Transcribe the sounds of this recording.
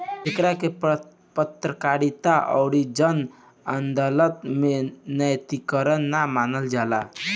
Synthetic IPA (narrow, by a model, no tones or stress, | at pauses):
d͡ʒekɾake | pət̪ɾəkaɾit̪aʔɔ̰ʊɾid͡ʒən | ənd̪ələt̪menəjt̪ikəɾənːamanəld͡ʒala̰